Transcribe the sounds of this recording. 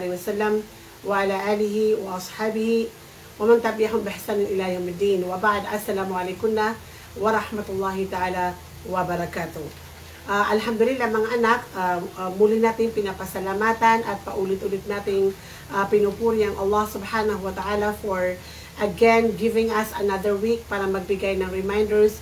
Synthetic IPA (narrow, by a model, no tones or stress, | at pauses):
lɪwɐsalːɐm | wɐʔalaʔaːlɪɦɪwɐʔɐsħaːbɪhɪ | wɐmaŋt̪abiʔaɦʊmbɪhasanʊnʔɪlajowmɪd̪ːiːnwɐbaʕd̪ʔɐsːɐlaːmʊʔalɛjkʊnːa | wɐɾˤɑħmat̪ʊlˠˤːɑːhɪt̪aʔaːla | wɐbɐɾɐkaːt̪ʊ | ʔaʔɐlɦamd̪ʊlɪlːamɐŋaʔɐnakamuːlɪnaːt̪ɪŋpɪnapɐsɐlamaːt̪anʔɐt̪̚pɐʔuːlɪt̪ʔʊlɪt̪̚naːt̪ɪŋ | ʔapɪnupuːɾɪɐŋʔɐlˠːɑhsʊbħaːnɐɦuwɐt̪aʔaːlafɔɹ | ʔɐɡɛnɡɪvɪŋɐsɐnaðəɹwik̚paːɾɐmɐɡ̚bɪɡajnɐŋɾɛmajnd̪ɛɹs